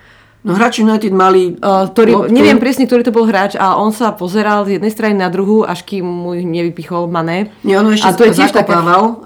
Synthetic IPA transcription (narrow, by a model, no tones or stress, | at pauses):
nɔɦɾaːt͡ʃinajt̪id̪malikt̪ɔɾiɲɛʋɪɛmpɾɪɛsɲɛk̚t̪ɔɾiːt̪ɔbɔlɦɾaːt͡ʃalɛʔɔnsapɔzɛɾalzjɛd̪nɛjst̪ɾaɲninad̪ɾuɦuʔa̰ʃkiːmːuiɲɛʋipixɔlmanɛːɲɛɔnɔɛʃaɛt̪ɔjɛɪɛʃt̪akɛaːʋal